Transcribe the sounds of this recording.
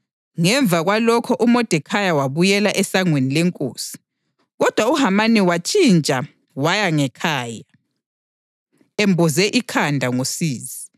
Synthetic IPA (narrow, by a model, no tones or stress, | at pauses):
ŋɛɱb̪vʱaɣwalɔkʰɔʔumɔd̥ʱɛkʰajawaβujɛlaʔɛsaŋwenilɛŋkʼo̰ːsi̥ | ɣɔd̥ʱwauhamaniwat͡ʃʼint͡ʃʼa | wajaŋɛkʰaːja | embʱɔzɛʔikʰandʱaŋosiːzi